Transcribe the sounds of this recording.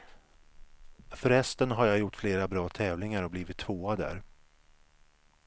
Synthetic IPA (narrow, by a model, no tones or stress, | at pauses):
fœɾhɛst̪ənɦaɾjajʊʈːfleːɾabɾɑːt̪ʰɛːvlɪŋaɾɔbliːvɪt̪ʰːvoːad̪æ̰ɾ